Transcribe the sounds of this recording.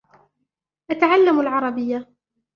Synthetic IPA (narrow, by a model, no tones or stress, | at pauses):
ʔat̪aʕalːamalʕɑɾˤɑbɪjːa